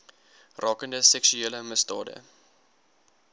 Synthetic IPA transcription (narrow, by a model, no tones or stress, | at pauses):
rʔɑːkəndəsɛksyeːləməstɑ̰ːdə̰